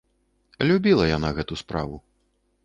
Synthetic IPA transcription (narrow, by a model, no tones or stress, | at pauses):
lʲubʲilˠɐjanaɣɛt̪uspɾa̰vu